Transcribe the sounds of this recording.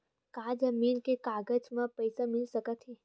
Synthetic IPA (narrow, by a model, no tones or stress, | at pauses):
kaːd͡ʒɐmiːnkekaːɡəd͡ʒmãpəɪsamɪlsəkət̪ɦiː